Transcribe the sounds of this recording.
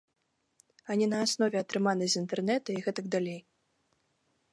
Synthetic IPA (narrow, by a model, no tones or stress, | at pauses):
anʲinɐasnɔvʲɛɐt̪ɾɨmanɨzʲint̪ɛrnɛt̪ɐiɣɛt̪ɐɡ̚d̪alʲej